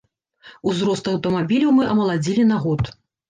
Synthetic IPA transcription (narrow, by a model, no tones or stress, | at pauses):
uzɾɔst̪ɐwt̪ɐmabʲilʲɐwmɨʔɐmɐlˠad͡zʲilʲinaɣɔt̪